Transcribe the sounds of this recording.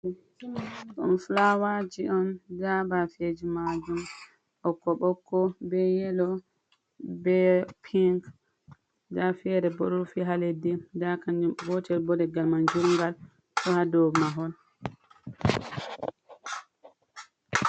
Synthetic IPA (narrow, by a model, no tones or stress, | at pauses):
ɗɔnflawad͡ʒiɔndabafed͡ʒimad͡ʒum | ɓɔkːɔɓɔkːɔbɛjɛlɔ | bɛpʰiŋk | dafɛɾɛbɔɾuɾfiɦaledidakand͡ʒumbɔt͡ʃɛɾbɔdɛɡalmand͡ʒuɾŋɡal | tɔhadɔmaɦɔl